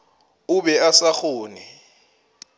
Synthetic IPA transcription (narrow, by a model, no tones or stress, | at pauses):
uɓɛasaxoːni